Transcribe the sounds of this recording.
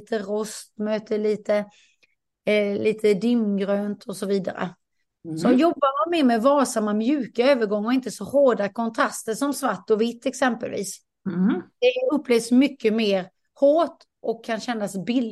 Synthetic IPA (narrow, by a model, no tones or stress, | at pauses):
t̪ʰəɾɔst̪møːt̪ʰəɭiːt̪ə | liːt̪ʰəd̪ɪmːɡɾøːnt̪ʰɔsɔviːd̪a̰ɾə̰ | sɔjɔbːamamɛːmɛvɑːsamːamjʉ̟ːkaøːvəɾɡɔŋːɔɪnt̪əsɔhoːɖakʰɔnt̪ʰɾast̪əʂɔmsvaʈːɔvɪt̪ːɛksɛmpə̰lvḭːs | d̪̥ɛɵpːleːvsmʏkːəmeːɾ | hoːʈ | ʔɔkʰːanɕɛnːasbɪl